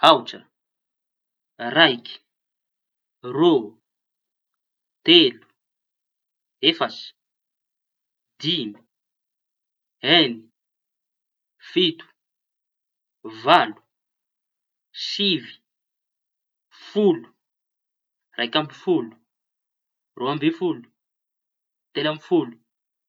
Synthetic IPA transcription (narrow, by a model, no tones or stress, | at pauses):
awʈ͡ʂə̰ | rajkʲi̥ | ro | t̪elu̥ | efasi̥ | d̪imi̥ | ɛni | fit̪u̥ | valu̥ | sivi̥ | fulu̥ | rajkambifulu̥ | roambefulu̥ | t̪elambifulu̥